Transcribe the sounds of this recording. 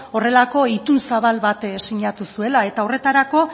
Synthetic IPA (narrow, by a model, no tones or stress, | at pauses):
o̞re̞lako̞it̪unsaβ̞alβat̪siɲat̪usue̞lae̞t̪aore̞t̪aɾako̞